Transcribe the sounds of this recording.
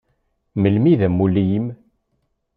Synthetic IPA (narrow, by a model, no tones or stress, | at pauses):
məlmiðæmːulijim